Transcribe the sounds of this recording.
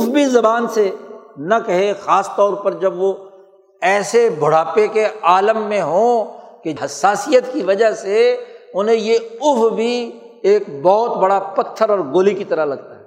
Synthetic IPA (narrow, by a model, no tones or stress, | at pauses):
ʊfbʱizɐbaːnsenɐkɐɦexaːst̪ɔːɾpɐɾd͡ʒɐbʋo | ɛːsebʱʊɽ̤aːpekeaːləmːẽɦõːkeɦɐsːaːsijət̪kiʋɐd͡ʒaseʊnɦẽjeʊfbʱi | eːkbɔːt̪bɐɽapɐt̪ʰːəɾɔːɾɡoːlikit̪ɐɾəɦlɐɡt̪aɦɛː